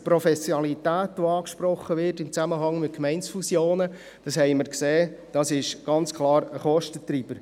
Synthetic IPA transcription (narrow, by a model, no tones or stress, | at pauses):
pɾɔfɛsjoɑlitæːtʋoɑːkʃpɾɔχːəʋɪrtɪmt͡sæməɦɑŋmɪt̚kmɛɪnsfusjoːnə | d̥ɑshɛɪməɾkseːd̥ɑsɪʃɡ̥ɑnt͡skʰlɑːɾəχɔʃtət̪ɾiːb̥əɾ